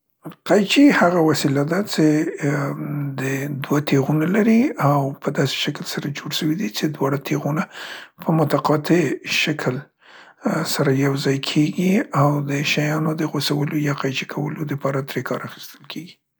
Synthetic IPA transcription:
qajt͡ʃihaɣawasilad̪at͡ʃe | d̪əd̪wat̪eɣunalaɾiawpəd̪ɑse̥ʃaklsaɾad͡ʒoɽʃəwid̪it͡ʃed̪wɑɽat̪ʰeɣunapʰəmʊt̪aqɑt̪eʃakʰəl | saɾajawzɑjkʰeɡiawd̪əʃajɑnod̪əɣosawəlojɑqajt͡ʃi̥kʰawəlod̪əpɑɾat̪ɾekʰɑɾaxi̥st̪əlkʰeɡi

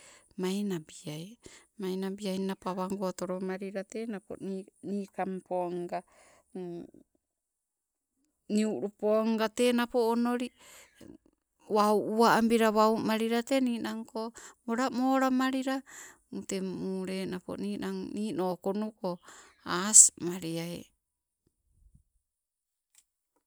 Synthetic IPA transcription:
majnabiajmajnabiajnapoaβaŋɡoatoɾomaɾiɾatenapo̰niːkampoŋɡa | niuɾupoŋɡatenapoːnoɾi | wawʔuaambiɾaβawmaɾiɾateniːnaŋkomoɾamoːɾamaɾiɾamutemuɾenapo̰niːnaŋniːnoːkonukoasmaɾiaḛ

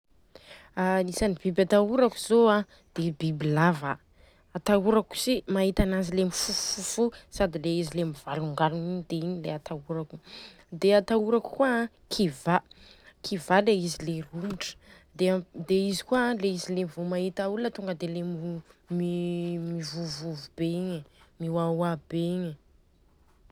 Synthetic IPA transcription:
alisanib̥ibat̪auɾaku̥z̥oa | d̪̥ebibilavaː | t̪auɾaku̥simaɦit̪anazilemifufufusad̪ileizilemivaluŋɡaɾuninid̪̥eiɲileat̪auɾaku̥ | d̪eat̪auɾaku̥kua | kʰivakʰivaleizileruuʈ͡ʂə̥ | d̪ed̪eizikualeizilemivumaɦit̪aulət̪uŋɡəd̪elemmimivuvuvubeiɲemiwawabeiɲə

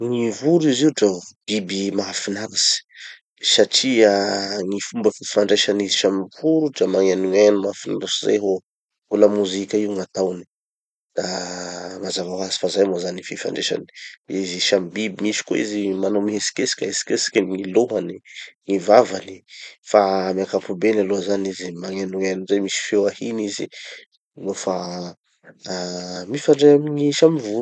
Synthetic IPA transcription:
ŋivuɾiziuʈ͡ʂab̥ibimafinaɾasi̥ | saʈ͡ʂiaŋifumbəfifaɳɖ͡ʐeʃanizi̥ʃamipuɾuʈ͡ʂamaŋanenumafina̰ɾasiza̰jɦo | ulamuzikʲaiwŋat̪awni | d̪̥a | ŋazavaɦasi̥fazajmozanififa̰ɳɖ͡ʐeʃa̰ni̥iziʃambibimisi̥ko̰izimanomiɦesi̥kesi̥kʲaesi̥kesi̥kʲəŋiloɦaniŋivavanifamiakapubenaloazanizimaŋenuenuzejmisi̥fewahinizḭ | nofa | mifaɳɖ͡ʐeamiɲiʃamivu

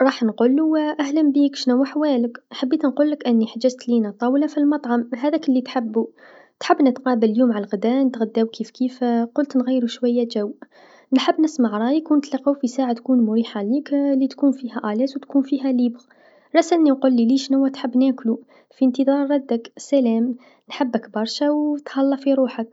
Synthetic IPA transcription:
ɾˤɑːħnqulːuwʔæɦləmbiːkʃnʊwːaħwæːləkħabːiːt̪nquːlːəkʔənːiħad͡ʒəzt̪linæt̪ˤɑwlafilmɑt̪ˤʕɑmɦæðækəlːit̪ħabːu | t̪ħabːnət̪qɑːbəlljuːmʕalɣd̪ænt̪ɣæd̪ːæwkiːfkifqʊlt̪nɣijːɾuʃwæjːæʒæw | nħəbːnəsmaʕɾˤɑjəkwnt̪lɑqːawfisaːʕat̪kunmʊɾiːħaliklːit̪kuːnfihæʔæljæswt̪kunfiɦælibɣ | ɾˤɑsæʔnːinqulːiliʃnəwːæt̪ħəbːnæklu | fiənt̪iðˤɑɾˤːɑd̪ːəksælæm | nħəbːəkbɑɾˤʃawt̪hɑlːɑfiɾuːħək

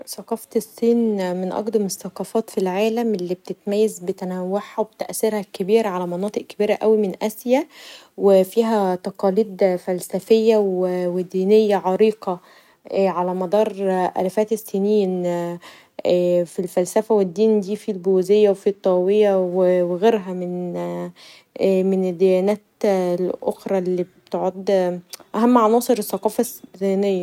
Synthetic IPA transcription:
sɑqɑft̪esːiːnmenʔɑ̰qd̪ˤɑmesːɑqɑfɑːt̪filʕaːlæmʔelːiːbet̪et̪mæjːæzbet̪ænæwːeħhæwebet̪ʔæsːeɾhækebiːɾæʕalæmɑnɑːt̪ˤeʔkebiːɾæʔæwimenʔæsjæ | wefiːɦæt̪ɑqɑːliːd̪fælsæfejːæwewed̪iːnejːæʕɑɾiːqɑ | ʕalæmɑd̪ˤɑːɾˤʔæ̰læfæːt̪esːiːniːn | filfælsæfæwed̪ːiːnd̪iːfilbozejːæwefit̪ˤːɑwejæweweɣeːɾɦæmɪn | mened̪ːejæːnæːt̪lʔoxɾˤɑlːiːbt̪eʕod̪ʔæɦæmːʕɑnɑːsˤeɾeθːɑqɑːfæsinejːæ

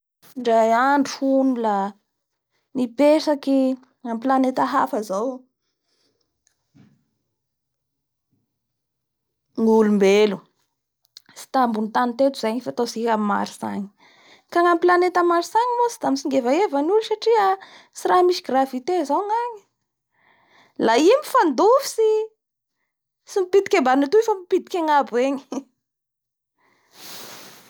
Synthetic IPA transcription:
ɳɖ͡ʐajaɳɖ͡ʐuhunula | nipesaki | ŋampilanet̪əɦafəzaw | ŋulumbelu | si̥t̪ambunit̪anit̪et̪uz̥ajɲifat̪osikamima̰ɾiza̰ɲi̥ | kaŋamplanet̪amaɾisaɲimosi̥d̪amisiŋɡevaevanulusaʈ͡ʂiə | siramiʃiɡravit̪ezaŋaɲi̥ | laimifand̪ufi̥si | simipid̪i̥kʲembanit̪uefamipid̪i̥kʲaŋabueɲi̥

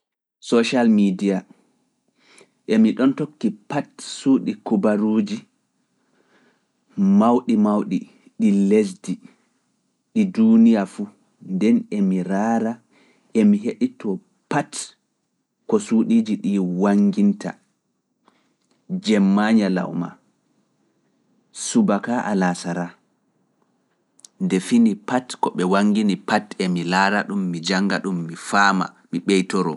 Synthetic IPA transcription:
sɔʃalmidija | ʔemiɗɔntokːipatsuːɗikubaɾuːd͡ʒi | mawɗimawɗi | ɗilesdi | ɗidunijafu | ndɛnɛmiɾaːɾa | ʔemiɦeɗitʰɔ | pat | kɔsuːɗiːd͡ʒiɗiwaŋɡinta̰ | d͡ʒɛmːaɲala̰wma̰ | subakaʔa̰lasaɾa | ndɛfinipatkɔɓɛwaŋɡinipatɛmilaːɾaɗumːid͡ʒaŋɡa̰ɗumːifaːma̰ | miɓɛjtɔɾɔ̰

